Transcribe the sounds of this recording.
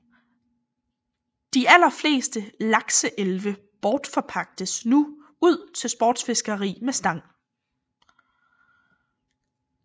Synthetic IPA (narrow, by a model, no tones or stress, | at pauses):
d̥iʔæl̰ɐfle̝̰ːsd̥əlɑ̈ɡ̥səʔelʋə | b̥ɒːd̥fɒ̽pʰɑ̈ɡ̥̚d̥əsnu | uð̞̰ˠt͡sʰe̝lsb̥ɒːd̥sfe̝sɡ̥ɐʁḭːmesd̥ɑ̈ŋ̰